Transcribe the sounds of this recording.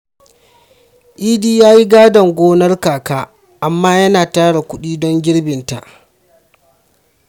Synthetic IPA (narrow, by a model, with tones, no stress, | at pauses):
ʔiː˦diː˦jaː˦ji˦ɡaː˦dɐ˨ŋɡʷoː˦nɐ˦rkaː˨kaː˦ | ʔa˨mːaː˦jɐ˦naː˨taː˦ɽa˨kʷʊ˦ɗiː˦dɔ˦ŋɡʲɪ˦ɽbɪ˨nta̰˨ʔ